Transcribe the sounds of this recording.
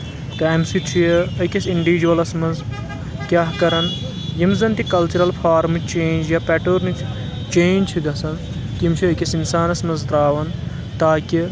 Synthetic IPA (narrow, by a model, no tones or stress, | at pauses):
t̪aːmsit̪ʰieɐkʲɐsiɳɖiʋiːd͡ʒuɐlɐsmɐnz | kʲaːɦkɐɾɐn | jimzɐnt̪ikɐlt͡ʃuɾɐlpʰaːɾmɨt͡ʃẽːnd͡ʒjapɛːʈoːɾnik | t͡ʃẽːnt͡ʃʰiɡɐsɐn | kimt͡ʃʰiɐkʲɐsinsaːnɐsmɐnzt̪ɾaːʋɐn | t̪aːkʲi